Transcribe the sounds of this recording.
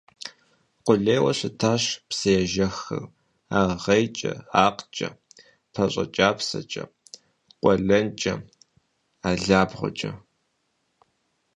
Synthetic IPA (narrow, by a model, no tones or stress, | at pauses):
qʷʊɮeːwɐɕɪtʰaːɕpsɐjɛʒɐxɨ̰r | aːʁejt͡ʃʼɐ̰aːqt͡ʃʼɐ̰ | pʰɐɕʼɐ̰t͡ʃʼaːpsɐ̰t͡ʃʼɐ̰ | qʷʼɔɮɐnt͡ʃʼɐ | aːɮaːbʁʷʊ̰t͡ʃʼɐ